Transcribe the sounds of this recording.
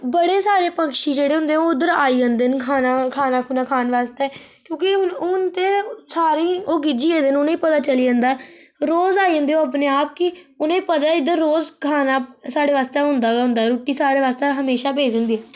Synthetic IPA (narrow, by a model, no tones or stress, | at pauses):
bəɽeːsaːɾeːpəkʃiːd͡ʒeːɽeːɦʊ̃nd̪eːɛ̃oːʊd̪əɾaːiːɦə̃nd̪eːnkʰaːnakʰaːnaːkʰuːnaːkʰaːnʋaːst̪eː | kjõːkɪnʊnt̪eːsaːɾiːoːɡɪd͡ʒiːeːd̪enʊnẽiːpət̪aːt͡ʃəliːə̃ːnd̪aːɛ | ɾoːzaːiːɦə̃nd̪eːoːapneːaːp̚kɪ | ʊnẽːpət̪aːɪd̪əɾːoːzkʰaːnaːsaːɽeːʋaːst̪eɦʊ̃nd̪aːɡɦʊ̃nd̪aɛɾoːʈːiːsaːɾeːʋaːst̪eɦəmeːʃaːbeːd͡ʒə̃nd̪iːɛː